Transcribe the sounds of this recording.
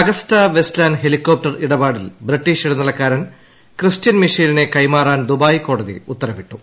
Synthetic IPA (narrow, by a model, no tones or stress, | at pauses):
ɐɡɐstɐʋe̞slaːnɦe̞likːoːp̚ʈɐriɽɐbaːɽilbriʈːiːʂiɽɐnːɐlɐkːaːɾɐn | kristjɐnmiʂiːline̞kɐjmaːraːnd̪ubaːjiko̞ːɽɐðḭut̪ːɐrɐʋiʈːu